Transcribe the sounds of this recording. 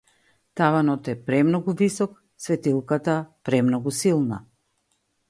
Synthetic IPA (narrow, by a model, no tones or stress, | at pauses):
t̪avanɔt̪ɛpɾɛmnɔɡuvisɔk | svɛt̪ilˠkat̪apɾɛmnɔɡusilˠna̰